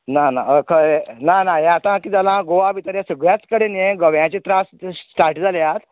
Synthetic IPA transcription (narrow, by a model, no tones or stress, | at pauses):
nanakʰənanaɦaːt̪ãkiːd͡zalãɡoʋaʋit̪əɾjasəɡɭjat͡skəɽenjeɡəʋjãt͡ɕet̪ɾassʈaɾʈd͡zʱaljat̪